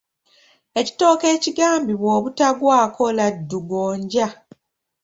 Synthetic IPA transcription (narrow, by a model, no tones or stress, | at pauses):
e̞ci̥to̞ːke̞ːciɡaːmbiβwo̞ːβutaɡwaːkʰo̞ladːuɡoːɲɟa